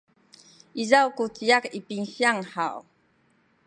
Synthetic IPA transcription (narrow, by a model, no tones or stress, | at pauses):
izawkut͡siakipiŋsjaŋhaw